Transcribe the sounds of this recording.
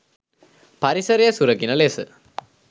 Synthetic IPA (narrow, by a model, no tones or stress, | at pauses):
pɐɾisɐɾijɐsuɾɐkːinɐlesɨ